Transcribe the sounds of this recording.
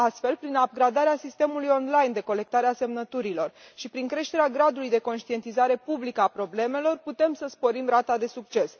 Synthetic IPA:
ast̪fe̞lpɾinab̚ɡɾad̪aɾeasist̪e̞mulujo̞nlajnd̪e̞ko̞le̞k̚t̪aɾease̞mnət̪uɾilo̞rʃipɾiŋkɾe̞ʃt̪e̞ɾeaɡɾad̪ulujd̪e̞ko̞nʃt̪ie̞nt̪izaɾe̞publikəapɾo̞ble̞me̞lo̞rput̪e̞msəspo̞ɾimɾat̪ad̪e̞sukt͡ʃe̞s

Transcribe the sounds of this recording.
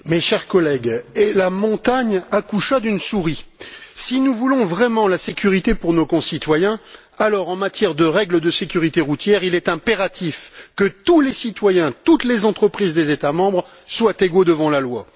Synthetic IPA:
mɛʃɛʁkɔlɛɡɛlamɔ̃t̪aɲakuʃad̪ynsuʁisinuvulɔ̃vʁɛmɑ̃lasekʲʰyʁit̪epuʁnokɔ̃sit̪wajɛ̃ | alɔʁɑ̃mat̪jɛʁd̪əʁɛɡləd̪əsekʲyʁit̪eʁut̪jɛʁilɛt̪ɛ̃peʁat̪ifkət̪ulesit̪wajɛ̃t̪ut̪lezɑ̃t̪χəpχizd̪ezet̪amɑ̃bʁ | swat̪eɡod̪əvɑ̃lalwa

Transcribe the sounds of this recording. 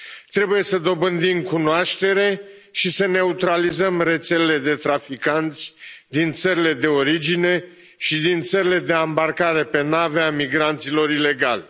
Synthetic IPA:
t̪ɾe̞buje̞səd̪o̞bɨnd̪imkunoaʃt̪e̞ɾe̞ʃisəne̞ut̪ɾalizəmre̞t̪se̞lele̞d̪e̞t̪ɾafikant̪sʲd̪int̪səɾile̞d̪e̞o̞ɾid͡ʒine̞ | ʃid̪int̪səɾile̞d̪e̞ambarkaɾe̞pe̞naveamiɡɾant̪silo̞ɾile̞ɡal

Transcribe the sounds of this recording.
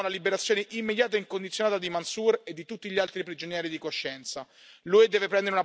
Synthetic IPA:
nalibeɾat̪sːjoːneʔimːed̪jaːt̪aiŋkond̪it̪sjonaːt̪ad̪imansured̪ːit̪ut̪ːiʎialt̪ɾipɾid͡ʒonjɛːɾid̪ikoʃːɛnt̪sa | lued̪ɛːvepɾɛnd̪eɾeuna

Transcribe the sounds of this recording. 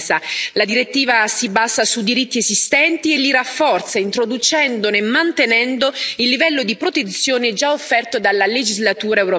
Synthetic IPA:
salad̪iɾet̪ːiːvasibaːsasud̪iɾit̪ːiezist̪ɛnt̪ielːirafːɔrt̪saint̪ɾod̪ut͡ʃɛnd̪onemːant̪enɛnd̪oilːivɛlːod̪ipɾot̪et̪sːjoːneɛd͡ʒaofːɛrt̪od̪alːaled͡ʒizlat̪uːɾaewɾo

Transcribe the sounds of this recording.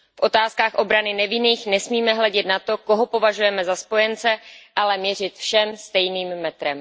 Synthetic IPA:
fʔo̞t̪aːskaːxʔo̞bɾanɪnɛvɪniːxnɛsmiːmɛɦlɛɟɛt̪nat̪o̞ko̞ɦo̞po̞vaʒujɛmɛzaspo̞jɛnt͡sɛʔalɛmɲɛr̝ɪt̪fʃɛmst̪ɛjniːmːɛt̪ɾɛm

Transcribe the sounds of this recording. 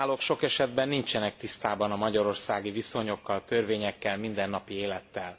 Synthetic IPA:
lokʃo̞kɛʃɛd̪bɛnːint͡ʃɛnɛk̚t̪ist̪aːbɒnɒmɒɟɒɾo̞rsaːɡiviso̞ɲo̞kːɒlt̪ø̞rveːɲɛkːɛlmind̪ɛnːɒpieːlɛt̪ːɛl

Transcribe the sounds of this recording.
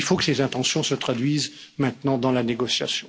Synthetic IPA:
ilfokə̥sezɛ̃t̪ɑ̃sjɔ̃sət̪χad̪ɥizmɛ̃t̪nɑ̃d̪ɑ̃laneɡɔsja̰sjɔ̃

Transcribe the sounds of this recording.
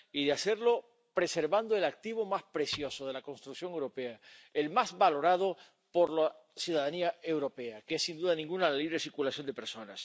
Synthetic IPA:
iðeaseɾlo̞ | pɾe̞se̞ɾβand̪oe̞lak̚t̪iβ̞o̞maspɾe̞sjo̞soðe̞lako̞nst̪ɾuksjo̞ŋewɾo̞peaelmazβalo̞ɾað̞o | poɾla | sjuðaðaniae̞wɾo̞peakeesːind̪uðanĩŋɡunalaliβɾesiɾkulasjo̞nd̪epeɾso̞na̰s

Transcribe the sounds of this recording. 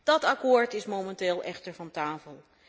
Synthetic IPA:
d̥ɑtakoːɹtɪsmomɛntɪːlˠʔɛχtəɹvɑntaːfəlˠ

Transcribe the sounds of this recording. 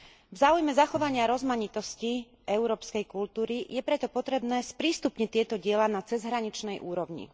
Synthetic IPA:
vzaːujmɛzaxɔʋaɲɪaɾɔzmaɲit̪ɔsci | ɛuɾɔːpskɛjkult̪uːɾijɛpɾɛt̪ɔpɔt̪ɾɛbnɛːspɾiːst̪upɲɛt̪ɪɛt̪ɔɟɪɛlanat͡sɛzɦɾaɲit͡ʃnɛjʔuːɾɔʊɲḭ

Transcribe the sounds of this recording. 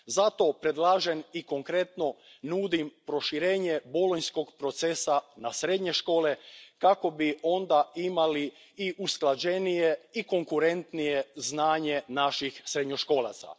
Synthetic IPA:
zat̪o̞pɾe̞d̪lˠaːʒeniko̞ŋkɾe̞t̪no̞nuːd̪impɾo̞ʃiɾeːɲeboloɲsko̞ɡpɾo̞t̪sesanasɾe̞d̪ɲe̞ʃko̞ːle̞kako̞bio̞nd̪aimali | iʔusklˠad͡ʑenijeiko̞ŋkuɾe̞nt̪nijeznaːɲe̞naʃixsɾed̪ɲo̞ʃkoːla̰t̪sa̰

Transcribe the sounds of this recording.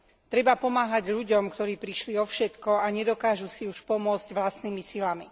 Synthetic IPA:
t̪ɾɛbapɔmaːɦaɟʎuɟɔmkt̪ɔɾiːpɾiʃliɔfʃɛt̪kɔaɲɛd̪ɔkaːʒusiuʃpɔmʊɔd͡zɟʋlast̪niːmisilami

